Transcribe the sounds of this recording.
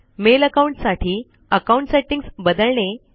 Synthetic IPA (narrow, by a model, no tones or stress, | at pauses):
meləkauɳʈsaʈʰiː | əkauɳʈseʈiŋsbəd̪əɭɳe